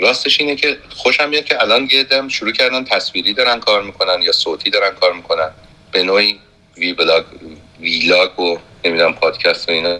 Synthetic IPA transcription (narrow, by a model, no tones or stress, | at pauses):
ɾɒːst̪eʃiːnecʰe̞xoʃæminecʰeælɒːnjed̪æmʃuɾuːcʰæɾd̪ænt̪ʰæsviːɾiːd̪ɒːɾænkʰɒːɾmiːkʰo̞nænjɒːsoːt̪ʰiːd̪ɒːɾænkʰɒːɾmiːkʰo̞næn | b̥e̞noːiː | viblɒːɡ | vilɒːɡone̞mid̪unæmpʰɒːd̪̥cʰæst̪oinɒ